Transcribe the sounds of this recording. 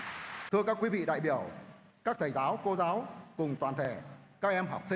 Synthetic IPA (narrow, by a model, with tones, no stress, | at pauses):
t̪ʰɨ˧əkaː˦˥kwi˨˦vḭ˧˨ɗa̰ː˧˨jɓi˧˩əw | kaː˦˥k̚t̪ʰəː˨˩jzaː˨˦wko˧zaː˨˦wkʊ˨˩ŋ͡mt̪waː˨˩nt̪ʰe˧˩ | kaː˦˥k̚ʔɛ˧mɦɔ˨˩wk͡p̚sï˧ŋ